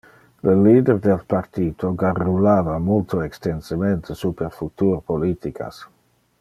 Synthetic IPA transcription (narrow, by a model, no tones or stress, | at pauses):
ləliːd̪erd̪elpart̪iːt̪oɡarulaːvamult̪oɛkst̪ensəment̪ʰesupeɾfut̪uːɾpolit̪ika̰s